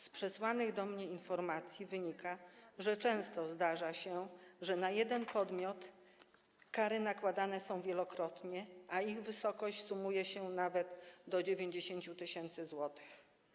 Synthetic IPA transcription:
spʂɛswanɘɣd̪ɔmɲɛinfɔɾmat̪sʲjivɘɲikaʐɛt͡ʂɛ̃w̃st̪ɔzd̪aʐaɕɛʐɛnajɛd̪ɛnpɔd̪mʲjɔt̪ | kaɾɘnakwad̪anɛsɔ̃w̃vʲjɛlɔkɾɔt̪ɲɛʔaiɣvɘsɔkɔɕt͡ɕsumujɛɕɛnavɛd̪d̪ɔd͡ʑevʲjeɲd͡ʑeɕeɲt͡ɕut̪ɘɕɛnt̪sɘzwɔt̪ɘ̥x

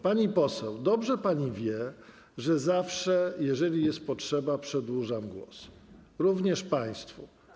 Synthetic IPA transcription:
paɲipɔsɛwd̪ɔbʐɛpaɲivʲjɛ | ʐɛzafʂɛjɛʐɛlʲijɛst̪̚pɔtʂɛbapʂɛd̪wuʐamɡwɔ̰sɾuvɲɛʂpaj̃st̪fṵ

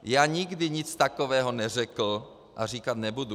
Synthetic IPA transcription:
jaːɲɪɡdɪɲɪt͡st̪akovɛːɦonɛrɛkl̩ | ʔar̝iːkat̪nɛbudu

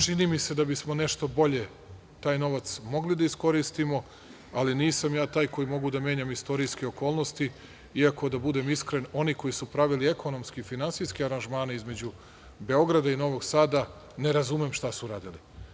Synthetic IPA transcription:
t͡ʃinimise̞d̪abismo̞ne̞ʃt̪o̞bo̞ʎe̞ | t̪aːjno̞ʋat̪smo̞ɡlid̪aisko̞ɾist̪imo̞ | aliniːsamjaːt̪aːjko̞jimo̞ɡud̪amjeɲamist̪o̞ɾijskeo̞ko̞ːlˠno̞st̪i | iako̞d̪abud̪e̞miskɾeno̞niko̞jisupɾaʋiliekʰo̞no̞mskifinansijskeaɾanʒmaːnaizme̞d͡ʑu | be̞o̞ɡɾad̪aino̞ʋo̞ɡsaːd̪a | ne̞ɾazumemʃt̪asuɾaːd̪ili

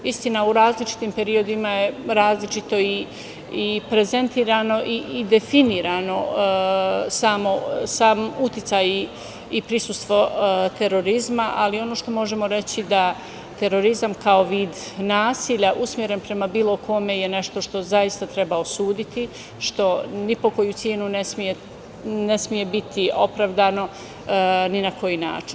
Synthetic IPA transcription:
ist̪inauɾaːzlit͡ʃi̥t̪iːmpe̞ɾio̞d̪imaje̞ɾaːzlit͡ʃit̪o̞i | ipɾe̞ze̞nt̪iːɾaːno̞ʔiid̪e̞finiːɾano̞ | saːmo̞saːmut̪jit̪saji | ipɾisust̪ʋo̞t̪e̞ɾo̞ɾizmaʔalio̞noʃt̪o̞mo̞ʒe̞mo̞ɾe̞t͡ɕid̪a | t̪e̞ɾo̞ɾizamkao̞ʋiːd̪ | naːsiʎaʔusmje̞ɾe̞npɾe̞mabiːlˠo̞kʰo̞me̞jene̞ʃt̪o̞ʃt̪o̞zajist̪at̪ɾe̞baosuːd̪it̪i | ʃt̪o̞nipo̞ko̞jut̪sjeːnunesmije̞ | ne̞smije̞bit̪ʰio̞pɾaʋd̪ano̞ | ninakʰo̞jina̰ːt͡ʃi̥n

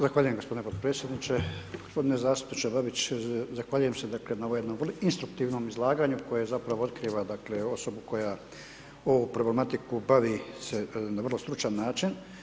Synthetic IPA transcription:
zaxʋaːʎuje̞mɡopo̞d̪inepot̪̚pɾet̪sje̞d̪nit͡ʃeɡ̥ospo̞d̪ine̞zaːst̪u̥pnit͡ʃebabit͡ɕzaxʋaʎuje̞msed̪akle̞naoomjed̪no̞mvrloinst̪ɾuk̚t̪iːʋno̞ːmizlˠaːɡaːɲuko̞jezapɾaʋoo̞t̪kɾiːʋad̪akleo̞so̞buko̞ja | o̞ʋupɾo̞ble̞mat̪ikubaʋise̞naʋrlo̞st̪ɾut͡ʃanːaːt͡ʃin

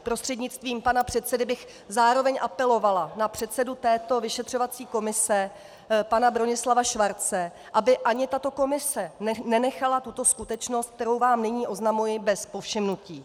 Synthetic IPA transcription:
pɾo̞st̪r̥ɛdɲɪt̪t͡st̪viːmpanapr̝̥ɛt̪sɛdɪbɪx | zaːɾo̞vɛɲʔapɛlo̞valanapr̝̥ɛt̪sɛdut̪ɛːt̪o̞vɪʃɛt̪r̝̥o̞vat͡siːko̞mɪsɛ | panabɾo̞ɲɪslavaʃvaɾt͡sɛ | ʔabɪʔaɲɪt̪at̪o̞ko̞mɪsɛnɛnɛxalat̪ut̪o̞skut̪ɛt͡ʃno̞st̪̚k̚t̪ɛɾo̞wvaːmnɪɲiːʔo̞znamujɪbɛspo̞fʃɪmnuciː

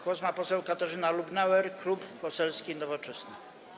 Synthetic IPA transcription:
kwɔzmapɔsɛwkat̪aʐɘnalubnɛwɛɾklupːɔsɛlskʲinɔvɔt͡ʂɛsnɘ

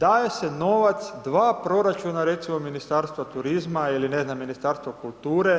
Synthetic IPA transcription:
d̪aːje̞se̞no̞ʋat̪sd̪ʋaːpɾo̞ɾat͡ʃunaɾe̞t̪simo̞minist̪aɾst̪ʋat̪uɾizmailine̞znamːinist̪aːɾst̪ʋokulˠt̪uːɾe̞

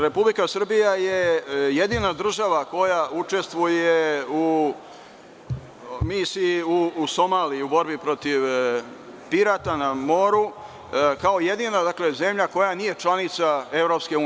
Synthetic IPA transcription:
ɾe̞publikasr̩bijaje̞je̞d̪iːnad̪r̩ʒaʋako̞jaut͡ʃe̞st̪ʋujeu | misiuːso̞maːliːubo̞ɾbipɾo̞t̪iʋ | piɾat̪anamo̞ɾu | kao̞je̞d̪inad̪akle̞ze̞mʎako̞janije̞t͡ʃlˠanit̪sae̞vɾo̞pske̞uː

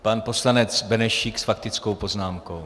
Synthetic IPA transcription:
panpo̞slanɛt͡sbɛnɛʃiksfak̚t̪ɪt͡sko̞wpo̞znaːmkow

